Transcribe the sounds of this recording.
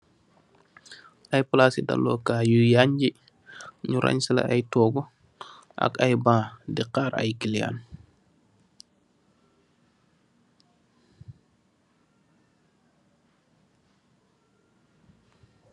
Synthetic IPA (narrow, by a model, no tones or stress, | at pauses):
ʔajplasida̰lːɔ̰kaːjujaɲd͡ʒi | ɲuɾʔa̰ɲsila̰ʔajtɔːɡɔ | ʔa̰kajbãːdiqaːɾa̰jkilija̰n